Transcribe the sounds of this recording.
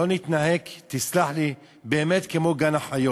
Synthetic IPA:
o̞nit̪naɦe̞kt̪islaħli | beːmet̪kemo̞ɡanaħajo

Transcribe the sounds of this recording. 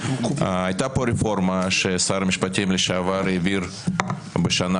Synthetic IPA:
ajt̪apoɾefo̞ɾmaʃesaɾmiʃpat̪imleʃaavaɾiviɾ | beʃana

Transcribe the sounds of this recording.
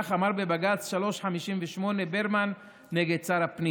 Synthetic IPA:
aχamaʁbebaɡat͡sʃalo̞ʃħamiʃimveʃmo̞nebeʁmanː | eɡed̪̚t͡saɾapni

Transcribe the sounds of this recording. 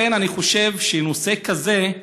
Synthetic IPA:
enaniχo̞ʃe̞vʃenose̞kaze̞

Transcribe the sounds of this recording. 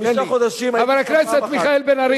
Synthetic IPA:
naχod̪aʃimavalhakneset̪miχaelbenaɾi

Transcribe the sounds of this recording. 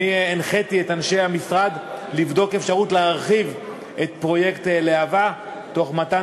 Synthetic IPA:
ienχetietanʃe̞jhamisʁad̪livd̪o̞kefʃaʁutleaʁχiv | ʔetpʁo̞je̞kt̪leava | to̞χmat̪a

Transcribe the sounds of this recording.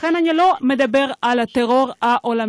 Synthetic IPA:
enanilo̞me̞d̪abe̞ʁalat̪eʁo̞ʁaʔolam

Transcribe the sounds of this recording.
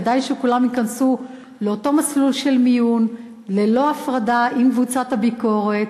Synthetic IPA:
dajʃekulamikansu | leo̞to̞maslulʃelmijun | lelo̞afʁadaʔimkvut͡sathabiko̞ʁe̞t

